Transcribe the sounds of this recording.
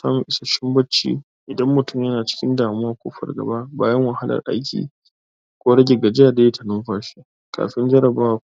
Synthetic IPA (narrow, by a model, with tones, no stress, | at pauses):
sa̰ː˦mʊ˨ʔɪ˦sɐ˨ʃɪ˦mbɐ˦t͡ʃːḭː˦˨ | ʔɪ˨dɐ˦mːʊ˨tʊ˦˨mjɐ˦naː˨t͡ʃɪ̥˦kʲɪ˦ndaː˨mʊ˦waː˦kʷo̰ː˦ɸɐ̰˨rɡɐ̰˨ba˦baː˦jɐ˦ŋwɐ˨ha˦lɐ̰˨rʔa̰˦jkʲḭː˨ | kʷoː˦ɽɐ˦ɡʲe˨ɡɐ˨d͡ʒɪ˦a˨da˦je˦tʰɐ˨nʊ˦mɸaː˨ʃi˦ | kʰa̰ː˨ɸɪ˦nd͡ʒɐ˦ɾɐ˨baː˦w